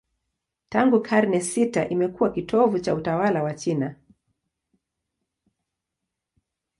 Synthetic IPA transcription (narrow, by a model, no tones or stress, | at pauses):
taŋɡukʰaɾnɛsitaʔimɛkuwakitʰɔvut͡ʃautawalawat͡ʃina